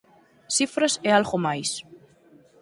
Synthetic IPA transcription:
sifɾasealɣomajs

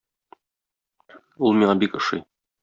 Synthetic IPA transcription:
ulˠmiɴɑbikŏʃɤ̰j

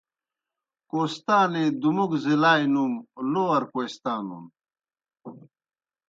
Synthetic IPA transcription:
koːst̪aːned̪umukzilaːjnumloːɐɾkojst̪aːnṵn

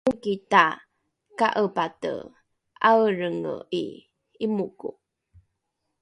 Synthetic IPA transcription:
ukita | kaʔəpatə̰ | ʔawɾəŋə̰i | imuku

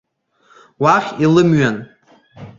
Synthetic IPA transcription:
waχʲilɨmɥan

